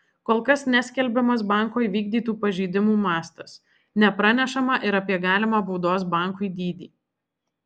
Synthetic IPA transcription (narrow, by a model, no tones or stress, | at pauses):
koːlˠkɐsnʲæsʲkʲɛlʲbʲɛmɐsbɑˑŋˑkoːʋʲiːɡ̚d̪ʲiːt̪uːpɐʒʲiːd̪ʲɪmuːmɑːst̪ɐs | nʲɛpɾɑːnʲɛʃɐmɑʔɪɾɐpʲiɛɡɑːlʲɪmɑːbʊʊd̪oːs̬bɑˑŋkʊɪd̪ʲiːd̪ʲiː